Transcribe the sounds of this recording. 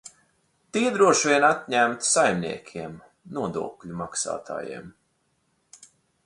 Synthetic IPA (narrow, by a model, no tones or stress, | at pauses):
t̪iɛd̪ɾuɔʃʋʲiɛnat̪ʲɲæmt̪sajmnḭɛkʲʰiɛm | nuɔd̪ṵɔkʎʲumaksa̰ːt̪ʰa̰ːjḭɛm